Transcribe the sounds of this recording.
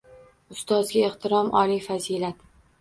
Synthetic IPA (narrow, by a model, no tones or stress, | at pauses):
ʊst̪ɒzɡʲaeht̪ʰɪɾɒmʔɒlifazilat̪